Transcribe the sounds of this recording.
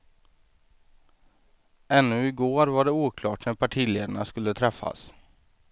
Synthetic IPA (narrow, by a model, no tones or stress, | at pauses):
ɛnːɵɪɡoːɾvaɖɛuːkʰlɑːʈnæɾpʰaʈʰiːleːd̪əɳaskɵlːət̪ʰɾɛfːa̰s